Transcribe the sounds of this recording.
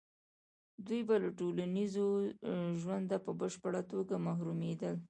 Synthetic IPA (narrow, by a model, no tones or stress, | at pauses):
d̪ujbalaʈolanizoʒwand̪apəbəʃpəɽat̪oɡamaɦɾumed̪əl